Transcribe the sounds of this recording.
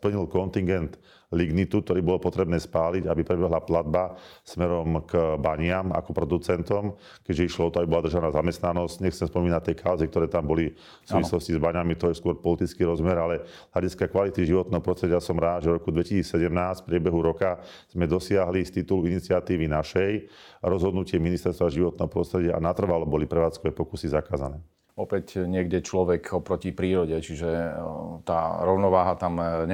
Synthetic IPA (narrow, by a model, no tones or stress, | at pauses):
pl̩ɲilkɔnt̪iŋɡɛnt̪ | liɡnit̪ukt̪ɔɾiːbɔlɔpɔt̪ɾɛbnɛːspaːliɟabipɾɛbɛɦlaplad̪̚basmɛɾɔmkbaɲɪama̰kɔpɾɔd̪ut͡sɛnt̪ɔm | kɛɟʒɛiʃlɔɔt̪ɔabibɔlad̪ɾr̩ʒanaːzamɛst̪nanɔscɲɛxt͡sɛmspɔmiːnac̚t̪ːɛjkʰaʊzik̚t̪ɔɾɛːt̪ambɔli | ffsuːʋislɔscizbaɲamit̪ɔjɛskʊɔɾpɔlit̪it͡skiːɾɔzmɛɾalɛzʎaɟiskakʋalit̪iʒiʋɔt̪nɛːɦɔpɾɔst̪ɾɛɟɪasɔmɾaːd̪ʒɛɾɔkud̪ʋɛcisiːt͡ssɛɟɛmnaːsfpɾɪɛbɛɦuɾɔka | z̥mɛd̪ɔsɪaɦlist̪it̪uluinit͡sɪat̪iːʋinaʃɛj | ɾɔzɦɔd̪nucɪɛminist̪ɛɾst̪ʋaʒiʋɔt̪̚nɛːɦɔpɾɔst̪ɾɛɟɪaʔa̰nat̪r̩ʋalɔbɔlipɾɛʋaːt͡skɔʋɛpɔkusizakaːza̰nɛː | ɔpɛcɲɪɛɡɟɛt͡ʃlɔʋɛkʰɔpɾɔcipɾiːɾɔɟɛt͡ʃiʒɛt̪a̰ːɾɔʊnɔʋaːɦat̪amɲ